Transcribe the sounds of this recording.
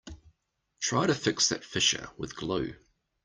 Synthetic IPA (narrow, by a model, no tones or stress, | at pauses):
tʰɹ̥aɪɾəfɪksðə̰tfɪʃə̰wɪ̰ðɡ̥ləː